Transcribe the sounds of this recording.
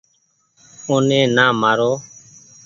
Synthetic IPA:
ʊnẽːnaːmaːɾoː

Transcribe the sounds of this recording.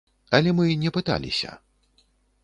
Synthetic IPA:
ɐlʲɛmɨnʲɛpɨt̪a̰lʲḭsʲɐ̰

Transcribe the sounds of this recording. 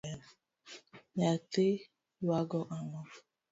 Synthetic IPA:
ɲate | waɡɔʔanɔ

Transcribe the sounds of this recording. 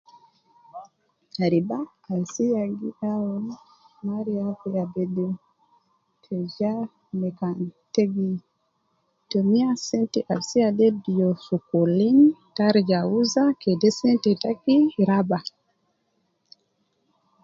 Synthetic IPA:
aɾibaː | lsijaɡiɗawɔn | maɾiafɛabɛdɛ | kʰɛd͡ʒa | mɛkanteɡi | tomiasɛntɛʔalsijadɛdijɔsukolintaɾd͡ʒauzakɛdɛsɛntɛtakiɾaba

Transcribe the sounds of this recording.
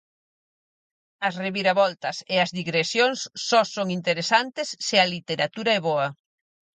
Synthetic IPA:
ɐsreβiɾɐβɔlt̪ɐseɐzðiɣɾesjoŋsːɔsoŋint̪eɾesant̪esːɪɐlit̪eɾat̪uɾɐɛβɔɐ

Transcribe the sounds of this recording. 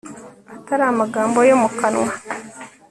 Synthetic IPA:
ataɾamaɡaːmbojomukanwa

